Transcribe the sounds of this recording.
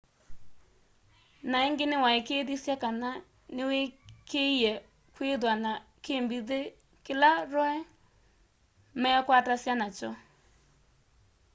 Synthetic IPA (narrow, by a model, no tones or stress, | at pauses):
naeŋɡɪnɪwaekeːðisjakana | nɪwekeijɛ | kweðwana | kembiðe | kɪlaɾɔɛ | mɛakwatasjanat͡ʃɔ